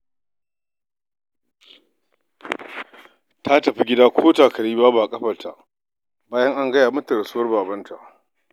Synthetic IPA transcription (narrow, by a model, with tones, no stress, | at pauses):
tʰa˦tɐ˨ɸi˦ɡʲɪ˦daː˦kʷʰoː˦taː˨kɐ˨ɽiː˦baː˦baː˨kʼɐ˦ɸɐ˨tʰa̰˨ʔ | baː˦jɐ˦ŋʔa˦ŋɡɐ˦jaː˨mɐ˦tɐ˨ɾɐ˨su˦wɐ˦rbaː˨bɐ˦ntʰa̰˨ʔ